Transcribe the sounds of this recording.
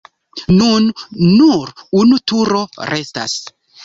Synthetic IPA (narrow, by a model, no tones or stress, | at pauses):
nunːuɾunutuɾo̞ɾʔe̞sta̰s